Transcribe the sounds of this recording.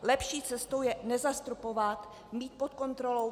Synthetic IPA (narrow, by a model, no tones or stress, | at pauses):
lɛpʃiːt͡sɛst̪owjɛnɛzast̪ɾupovat̪ | miːt̪̚pot̪ko̞nt̪ɾo̞lo